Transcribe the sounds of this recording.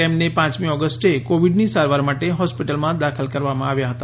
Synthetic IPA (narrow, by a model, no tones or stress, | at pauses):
emnepãt͡ʃmiɔɡəsʈekoʋiɖnisaɾʋaɾmaʈeɦɔspiʈəlmãd̪akʰəlkəɾʋamã̰aʋjaɦət̪a